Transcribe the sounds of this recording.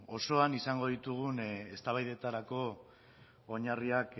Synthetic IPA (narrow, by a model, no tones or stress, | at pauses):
o̞so̞anisaŋɡo̞ðit̪uɣ̞une̞st̪aβajðe̞t̪aɾako̞ː | ɲariak